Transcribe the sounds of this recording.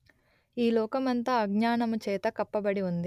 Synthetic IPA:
iːlɔːkɐmɐnt̪ɐɐɡɲaːɳɐmut͡ʃɛːt̪ɐkɐpːɐbɐɽiund̪i

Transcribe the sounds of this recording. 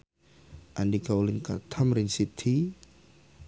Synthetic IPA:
ʔandikawlinkat̪ʰamɾinsit̪ʰi

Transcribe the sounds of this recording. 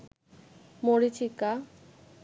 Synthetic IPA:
moɾit͡ɕʰikːa

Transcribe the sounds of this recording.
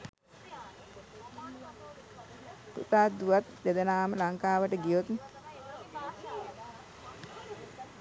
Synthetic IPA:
pṵt̪aːt̪̚d̪uʋat̪̚d̪ed̪ənaːməlaŋkaːʋəʈəɡijot̪n

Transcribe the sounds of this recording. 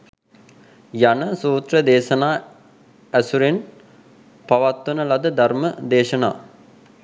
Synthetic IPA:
janəsuːt̪rəd̪eːʃɐnaː | æsuɾen | paʋat̪ːunəlad̪əd̪ʱaɾməd̪eːʃəna̰ː

